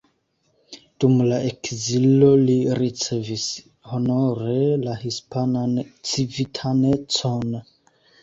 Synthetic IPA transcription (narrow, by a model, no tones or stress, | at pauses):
d̥umlaekzilo̞liɾit͡se̞vis | ho̞noɾe̞lahispanant͡sivitʰane̞t͡son